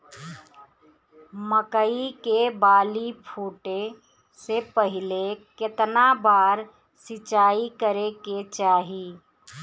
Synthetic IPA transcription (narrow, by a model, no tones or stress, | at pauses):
məkəikebaːlipʰuːʈe | sepəɦilekɪt̪nabaːɾ | sɪt͡ʃaːikəɾeket͡ʃaːɦi